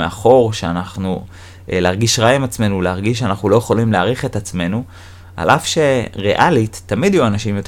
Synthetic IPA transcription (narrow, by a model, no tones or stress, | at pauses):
eaχo̞ʁʃeanaχnu | leaʁɡiʃʁajemat͡sme̞nuleaʁɡiʃ̬eanaχnulo̞je̞χo̞limleaʁiχetat͡sme̞nu | a̰lʔafʃe̞ʁḛʔalitːamidjuanaʃimjo̞t